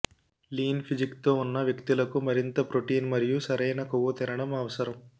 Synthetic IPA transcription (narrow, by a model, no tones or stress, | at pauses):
liːnpʰid͡ʒikt̪oːunːɐʋjɐkt̪ilɐkumɐɾint̪ɐpɾoʈiːnmɐɾijusɐɾɐjnɐkuʋut̪ɛɾɐɳɐmɐːʋɐsɐɾɐm